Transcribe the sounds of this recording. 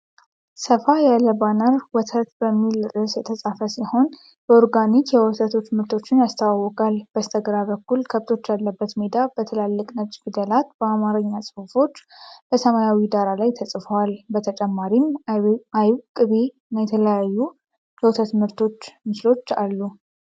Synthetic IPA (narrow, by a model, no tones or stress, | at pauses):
səfajaləbanəɾwɔt̪ʰət̪bəmːilɾɨsjɛt̪ʰəsʼafəsiho̞n | bəoɾɡanikjɛwɔt̪ʰət̪ʰo̞t͡ʃːmɨɾt̪ʰo̞t͡ʃːɪnjast̪ʰawawɔkʼalb̥əst̪ʰəɡɾaβəkːulkʰəβt̪ʰo̞t͡ʃːjalːəbːət̪med̪ab̥ət̪ʰəlalːəkʼnət͡ʃʼɡɨd̪əlat̪b̥əamaɾəɲːasʼɨfɨfo̞t͡ʃːb̥əsəmajawid̪aɾalajt̪ʰəsʼɨfəwalbət̪ʰət͡ʃʼɛmːaɾimajwkʼɨβe̞ | najɛt̪ʰələjajːu | jɛwɔt̪ʰət̪mɨɾt̪ʰo̞t͡ʃːmɨslo̞t͡ʃːalːu